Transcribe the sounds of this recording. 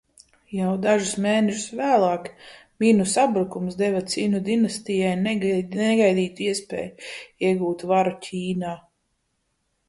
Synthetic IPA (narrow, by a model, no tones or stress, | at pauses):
jawd̪aʒusmeːnɛʒusvæːlˠɑːkmʲinusabɾukumsd̪ɛvat̪siːnud̪inast̪ijajnnɛɡajd̪iːt̪uiɛspʲɛ̰ːjiɛɡuːt̪vaɾucʲʰiːnaː